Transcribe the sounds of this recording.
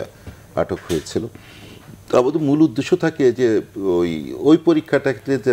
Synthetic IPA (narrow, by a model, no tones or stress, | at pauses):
a̰ʈʰokɦojet͡ɕʰilo | t̪abad̪omulud̪ːeʃot̪ʰaked͡ʑeojojpoɾikʰːaʈakʰʈed͡ʑe